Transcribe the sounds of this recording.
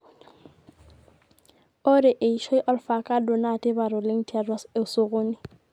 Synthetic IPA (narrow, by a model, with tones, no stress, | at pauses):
ʊ˦ɾɪ˨ʔe˨i˨ʃɔ˦ɪ˦ʔɔ˦lfa˨kʼa˦dʊ˨na˨tʼɪ˦ba˨ɾʊ˨lɪ˦ŋ̩˦tʼi˦a˨dwae˨ʊ˨sʊ˦ɣʊː˦nɪ˨